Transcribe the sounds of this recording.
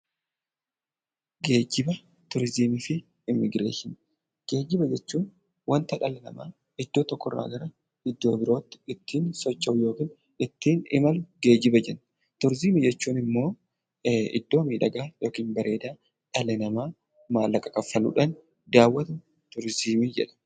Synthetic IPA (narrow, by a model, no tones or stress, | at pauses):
ɡe̞ːd͡ʒɪbɐ | t̪ʊɾzimifɪː | mːɪɡɾḛːʃɪn | ɡ̥e̞ːd͡ʒːɪbɐd͡ʒɛt͡ʃːuːn | wɐnt̪ɐᶑɐlɛnɐ̰ma̰ː | ɪd̪ːoːt̪ɔkːɔrːa̰ːɡɐɾɐ | ɪd̪ːo̞ːbɪɾo̞ːt̪ːɪ̥ɪt̪ʰːiːnsɔt͡ʃʼːɐʊjo̞ːkiːn | ɪt̪ːiːnɪmɐlʊɡe̞ːd͡ʒɪbɐd͡ʒɛnː | t̪ʊɾziːmid͡ʒɛt͡ʃːuːnɪmːo̞ː | ɪ̰d̪ːo̞ːmiːᶑɐɡaːjo̞ːkiːnbɐɾʔe̞ːd̪aː | ᶑɐlɛnɐmaː | maːlːɐkʼɐkʼɐfːɐlṵːᶑɐn | d̪aːwːɐt̪ɐ | t̪ʊɾziːmid͡ʒɛ̰ᶑɐ̥